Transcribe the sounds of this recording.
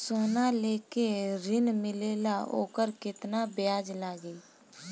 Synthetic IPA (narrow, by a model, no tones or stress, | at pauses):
soːnaleːkeɾɪnmɪleːlao̰ːkəɾkɪt̪nabjaːd͡ʒlaːɡiː